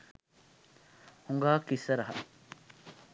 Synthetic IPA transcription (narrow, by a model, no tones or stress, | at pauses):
huŋɡaːkisːɐɾɐɦɐ̰